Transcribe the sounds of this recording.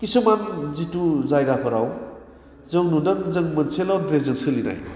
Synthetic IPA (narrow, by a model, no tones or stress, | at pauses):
kisumanzituzajɡapʰɯɾaw | zɯŋnudaŋzɯŋmɯnsʰelawdɾezɯŋsɯlina̰j